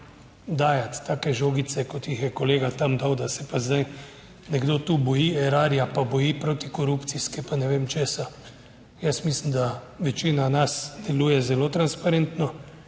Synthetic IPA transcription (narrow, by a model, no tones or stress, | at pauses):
d̪aːjat̪ːaːkɛʒoːɡit̪sɛkɔt̪jixjɛkɔleːɡat̪amd̪awd̪asɛpazd̪aj | nɛɡd̪oːt̪ubɔjiɛɾaːɾjapabɔjipɾoːt̪ikɔɾupt̪siskɛpanɛʋeːmt͡ʃeːsa | jəsmislimd̪aʋɛt͡ʃiːnanasd̪̥ɛluːjɛzɛloːt̪ɾanspaɾent̪nɔ